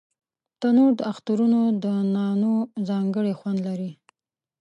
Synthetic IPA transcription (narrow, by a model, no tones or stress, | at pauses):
t̪anoɾd̪əaxt̪aɾunod̪ənɑnozɑŋɡəɽexwand̪laɾi